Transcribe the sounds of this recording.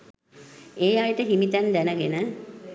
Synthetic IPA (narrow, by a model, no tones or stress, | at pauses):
eːjajʈəɦimit̪ænd̪ænəɡenə